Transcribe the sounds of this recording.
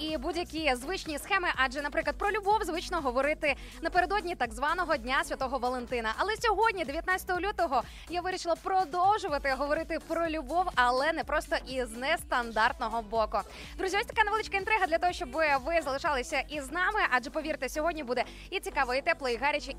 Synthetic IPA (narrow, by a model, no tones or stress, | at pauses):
ibudʲjɐkʲizʋɪt͡ʃnʲisxɛmɪʔaʒɛnɐpɾɪklˠɐd̪̚pɾɔlʲʊbɔwzʋɪt͡ʃnɔɦɔʋɔɾɪt̪ɪ | nɐpeɾed̪ɔdʲnʲit̪ɐɡzʋɑnɔɦɔdʲnʲasʲʋʲɐt̪ɔɦɔʋɐlˠent̪ɪnɐʔɐlˠɛsʲɔɦɔdʲnʲid̪eʋjɐt̪nat͡sʲɐ̥t̪ɔɦɔlʲut̪ɔɦɔ | jaʋɪɾʲiʃɪlˠɐpɾɔd̪ɔwʒʊʋɐt̪ɪɦɔʋɔɾɪt̪ɪpɾɔlʲubɔwɐlˠɛnɛpɾɔst̪ɔʔiznɛst̪ɐnd̪ɑrt̪nɔɦɔbɔkʊ | d̪ɾuzʲiɔsʲt̪ɐ̥kanɛʋeɪlˠɪt͡ʃʲkɐint̪ɾɪɦɐd̪lʲɐt̪ɔɦɔʃt͡ʃɔbɪʋɪzɐlˠɪʃɑlˠɪsʲɐʔiznɑmɪʔaʒɛpɔʋʲiɾt̪ɛsʲɔɦɔdʲnʲibud̪ɛ | it͡sʲikɑʋɔit̪ɛplˠɔiɦɑɾʲɐt͡ʃɪ